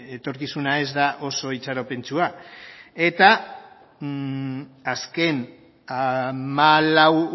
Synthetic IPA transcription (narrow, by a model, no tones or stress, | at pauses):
et̪o̞ɾkisunae̞zd̪aʔo̞so̞it͡saɾope̞nt͡ʃua | e̞t̪a | aske̞n | amalaw